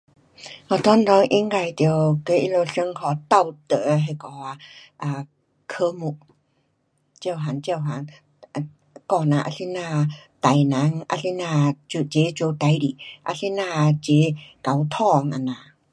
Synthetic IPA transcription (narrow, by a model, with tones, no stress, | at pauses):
ʔɔ˧˩t̪ɔ˧˦ndɔ˧˦ŋʔi˧˥ŋka˧˩jt̪i˧wke˧˦ʔi˧lo˧sə˧˥ŋkʰɔ˧t̪a˥˧wt̪ə˧˨ɦa˧˨kɔ˨˧˦a˧ʔa˧ | kʰə˧mu˧˩ʔ | t͡ɕə˧˩wɦa˨nt͡ɕə˧wɦa˨˦n˧ | kɔ˧na˧ʔa̰˧si˧˥naː˧t̪a˨˩jna˨˦ŋʔa̰˧si˧˥naː˧t͡ɕu˧˨t͡ɕe˨˦t͡ɕo˧t̪a˧jli˨ʔa̰˧si˧˥naː˧˨t͡ɕe˨˦ka˨˧wt̪ʰɔ˥˧ŋʔa˧˨naː˨